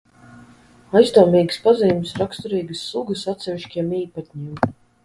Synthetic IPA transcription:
ajst̪ɔːmiːɡ̥spaziːmsɾakst̪uɾiːɡɨsːˠuɡəsat̪sɛvʲiʃkʲiɛmiːpat̪̚ʲɲiːm

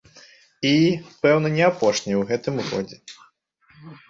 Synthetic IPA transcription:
ipɛwnɐnʲɛapɔʂnʲijwɣɛt̪ɨmɣɔ̰d͡zʲɛ

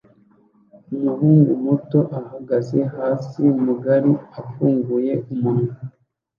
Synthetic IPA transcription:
umuhuːŋɡumuto̞ʔahaɡaze̞haːsimuɡaɾiafuːŋɡuje̞umunu

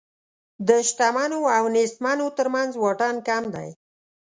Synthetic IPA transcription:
d̪əʃʈamɑnoawnest̪manot̪əɾmanzwɑʈankamd̪a̰j

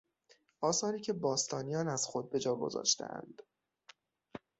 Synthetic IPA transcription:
ʔɒːsɒːɾiːcʰe̞bɒːst̪ʰɒːnijɒːnæz̥xo̞d̪̚be̞d͡ʒɒːɡo̞̰zɒ̰ːʃt̪ʰḛʔæ̰nd̪̥

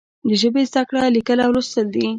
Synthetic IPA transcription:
d̪əʒəbezd̪akɽalikəlawɾʊst̪əld̪i

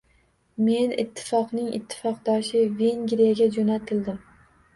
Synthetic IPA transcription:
me̞nɪ̰t̪ʰːɪ̥fɒqnɪŋɪ̰t̪ʰːɪ̥fɒqd̪ɒʃɪve̞ŋɡʲɾijaɡʲad͡ʒonat̪ʰɪld̪ɪm

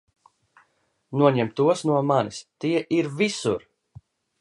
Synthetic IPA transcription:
nuɔɲɛmt̪uɔsnuɔmanist̪iɛʔiɾvisṵɾ

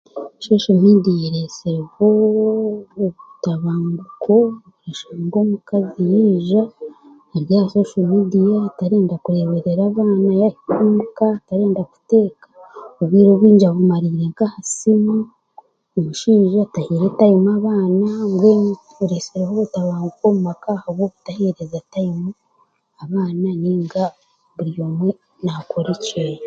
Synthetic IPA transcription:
ʃo̞ːʃomidijeɾeseɾehoː | βutaβaːmbukʰo̞βuɾeʃaŋɡo̞ːmukazijiːʒa | eɾjahʃo̞ːʃomidijataɾeːndakuɾe̞βeɾe̞ɾaːβaːnajahikumukataɾeːndaku̥te̞ːkḁoβwiːɾoβwiːɲd͡ʒaβumaɾiːɾe̞ŋkahasimu | oβuʃiːʒatahiːɾetajimaβaːnaŋɡweŋ | uɾeseɾehoβutaβaːŋɡukomumakahaβwoβu̥taheɾezatajimu | aβaːnaniːŋɡa | βuɾjomwe | nakʰoɾice

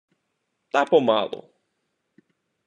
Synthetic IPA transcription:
t̪apɔma̰lˠo̰

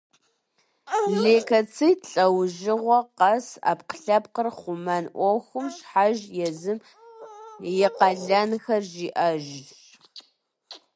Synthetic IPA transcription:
ɮeːkʰɐt͡sʰitɬʼɐwʒɪʁʷɔqɐsa̰ːpqə̥ɬɐp̚qərχʷʊmɐnʔʷɔxʷʊmɕħaʒjɛzɨm | jɪqɐɮɐnxɐrʒiːʔɐʒɮ

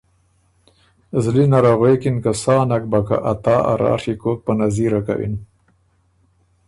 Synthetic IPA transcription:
zlinaɾaɣekinkasɑːnak̚baka̰ʔat̪aːa̰ɾɑ̰ːʂikok̚panaziɾaka̰wḭn

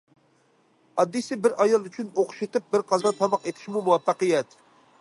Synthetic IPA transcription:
ɑd̪ːisɪbɪɾɑjɑlˠyt͡ʃʰynoqʊ̥ʃet̪ɪp̚bɪɾqʰɑzɑt̪ʰːɑmɑqet̪ʰɪ̥ʃmumuwɑfːɑqijɛt̪

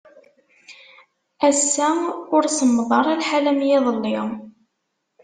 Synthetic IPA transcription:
æsːæmʊɾsəmːðˤɑɾˤælħalæmjæðˤəlːɪʁ

